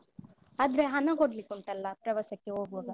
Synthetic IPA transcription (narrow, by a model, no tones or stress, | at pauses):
aːd̪ɐɾeɦɐnɐɡoɽlikːuɳʈɐlːɐpɾɐʋɐsɐkːeɦoːɡɐɡɐ